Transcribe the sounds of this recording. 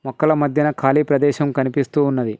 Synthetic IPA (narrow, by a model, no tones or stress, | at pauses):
mɔkːɐlɐmɐd̪ʱjɐnɐkʰaːliːpɾɐd̪ɛːʃɐmkɐnipist̪uːnːɐd̪i